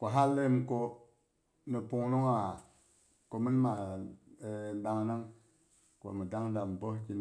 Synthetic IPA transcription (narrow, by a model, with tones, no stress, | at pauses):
ko˨ɦa˦lːe˦mko˧ | ni˨pu˨ŋnu˦ŋa˨ | ko˨mi˦n˦ma˨˦ | ɗa˦˧ŋna˦ŋ | ko̰˨mi˨da˦ŋda˨m˨bo˦ki˦n